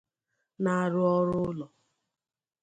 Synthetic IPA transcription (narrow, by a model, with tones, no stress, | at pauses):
na˨ɾʊ˦ɔ˦ɾʊ˦lɔ˨